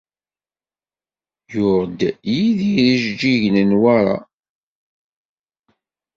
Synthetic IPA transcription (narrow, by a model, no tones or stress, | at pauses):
jʊɾd̪jiðiɾiʒd͡ʒiʝnənwaɾˤa̰